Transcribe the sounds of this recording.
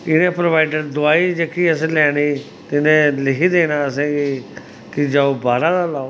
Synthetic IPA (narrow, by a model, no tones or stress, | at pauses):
ɪnẽːpɾoʋaːɪɖəɾd̪ʊaːiːd͡ʒəkʰiːəsẽːlɛːɽiː | t̪ɪnẽːlɪkʰiːd̪eːnaːəs̬ẽːɡiː | kɪd͡ʒaːoːbaːɾãːd̪aːlaːo